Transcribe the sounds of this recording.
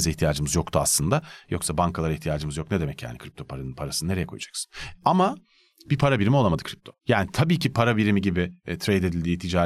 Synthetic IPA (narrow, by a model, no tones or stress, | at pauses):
ziçt̪ʰijaːd͡ʒɯmɯzjo̞kt̪ʰua̰slˠɯnd̪ajoksabaŋkʰalˠaɾiçt̪ʰijaːd͡ʒɯmɯzjo̞k̚ne̞d̪emɛcja̰ːnḭkʰɾip̚t̪ʰo̞pʰaɾanɯnpʰaɾasɯnɯne̞ɾejɛkʰo̞ja̰d͡ʒḁksɯ̥nama | bipʰaɾabiɾimiamad̪ɯkʰɾip̚t̪ʰo̞jaːnit̪ʰabiːcʰipʰaɾabiɾimiɟibɪt̪ʰɾejd̪e̞d̪ilʲd̪iːt̪ʰid͡ʒaː